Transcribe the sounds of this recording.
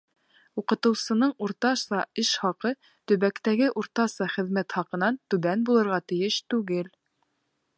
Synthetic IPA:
uqɤ̆t̪ɤ̆wsɤ̆nɤɴuɾt̪ɑʃɑɘʃχɑqɤ | t̪ɵ̆βækt̪æɡɘʔuɾt̪ɑsɑχɘ̆ðmæt̪χɑqɤ̆nɑnt̪ʉβænbulˠɤ̆ɾʁɑt̪ɘ̆jɘʃt̪ʉɡɘl

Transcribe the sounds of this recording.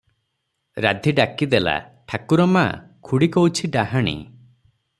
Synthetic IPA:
ɾa̰d̪ʱiɖakid̪ela̰ʈʰakuɾɔma̰kʰuɽikɔwt͡ʃʰiɖaɦaɽ̃ḭ

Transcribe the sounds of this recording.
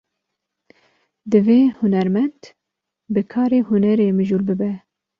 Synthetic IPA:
d̪ɨveːhʊnɛɾmɛnd̪ | bɨkʰɑːɾeːhʊnɛɾeːmɨʒuːlbɨbɛ

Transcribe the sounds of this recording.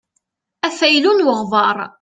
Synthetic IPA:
æfæjlunwəʁvˤɑɾˤ

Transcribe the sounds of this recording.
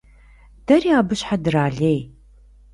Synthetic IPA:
d̥ɐriaːbɨɕħadɨraːɮej

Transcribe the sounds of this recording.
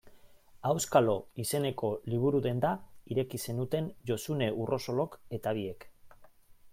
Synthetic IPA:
awskalo̞ise̞ne̞ko̞liβ̞uɾuðe̞nd̪aiɾe̞kise̞nut̪e̞nʝo̞sune̞ʔurʔo̞so̞lo̞ke̞t̪aβ̞ie̞k

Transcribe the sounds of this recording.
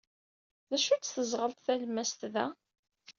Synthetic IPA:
ðæʃut͡sːθəzˤʁəlt̪θælmæst̪ðæ̰

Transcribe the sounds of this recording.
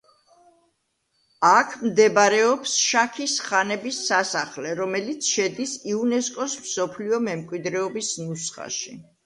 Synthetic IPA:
akʰmd̪ɛbaɾɛɔpsʃakʰisχanɛbisːasaχlɛɾɔmɛlit̪sʰʃɛd̪isiunɛskʼɔsmsɔpʰliɔmɛmkʼwid̪ɾɛɔbisnusχa̰ʃi

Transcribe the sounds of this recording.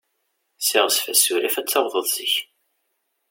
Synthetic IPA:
sɪʁsfæsːuɾifæt͡sːɑwðˤəðˤzəç

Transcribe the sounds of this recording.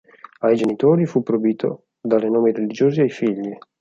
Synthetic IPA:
ajd͡ʒenit̪oːɾifupːɾobiːt̪ʰo̰ | d̪aːɾenoːmiɾelid͡ʒoːziajfiʎːi

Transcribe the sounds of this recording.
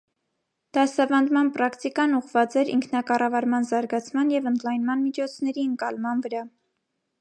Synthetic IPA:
d̪̥ɑsɑvɑnd̪mɑnpɾɑkʰt̪ikɑnuʁvɑt͡sɛɾiŋkʰnɑkɑrɑvɑɾmɑnzɑɾɡɑt͡sʰmɑnjɛvənd̪lɑjnmɑnmit͡ʃʰɔt͡sʰnɛɾiəŋkɑlmɑnvəɾɑ

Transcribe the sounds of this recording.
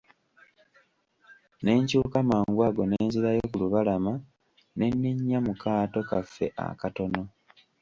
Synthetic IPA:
ne̞ːɲcuːkamaːŋɡwaɡo̞neːnziɾajo̞kuluβalama | ne̞nːiɲːamukaːto̞kafːe̞ʔa̰kato̞no̞

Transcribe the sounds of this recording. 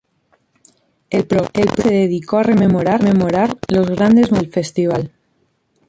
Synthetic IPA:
elpɾokelpeðeðikoarememoɾaɾmemoɾaɾlozɣɾand̪ezmelfest̪iβ̞al

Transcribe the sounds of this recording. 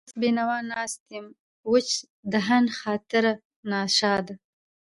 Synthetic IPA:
sbinawɑːnɑːst̪im | wʊt͡ʃ | d̪əɦanxɑːt̪ɪɾa | nɑːʃɑːd̪a

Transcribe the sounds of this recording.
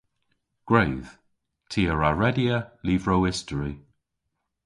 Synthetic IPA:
ɡ̥ɹejð̥ | tʰiːəɹaɹɛdiəliːvɹowɪstəɹi

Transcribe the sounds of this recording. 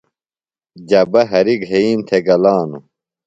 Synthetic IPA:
d͡ʑɐbɐɦɐɾiɡɦeiːmt̪ʰeɡɐlaːnu

